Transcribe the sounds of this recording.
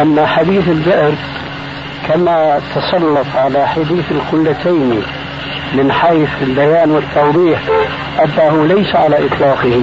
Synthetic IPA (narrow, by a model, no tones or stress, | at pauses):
ʔanːaħad̪iːθɪld̪ɪʔɾ | kʰamat̪ʰɑsˤɑlːɑt̪ˤʕalaħad̪iːθɪlqʊlːat̪ʰajni | mɪnħajθɪlbajaːnwɪt̪ʰːawðˤiːħ | ʔad̪ːaɦʊlajsaʕalaʔɨt̪ˤlɑːqɨhi